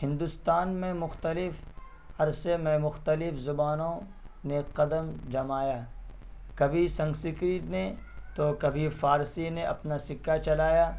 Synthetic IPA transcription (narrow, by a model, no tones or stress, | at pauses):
ɦɪ̃nd̪ʊst̪aːnmẽmʊxt̪əlɪf | ɐɾsemẽmʊxt̪əlɪfzʊbaːnõ | neqɐd̪əmd͡ʒɐmaːjaː | kɐbʱisɐ̃ŋɡsɪkɾinet̪okɐbʱifaːɾsineʔɐ̰pnasɪkːat͡ʃɐlaːjaː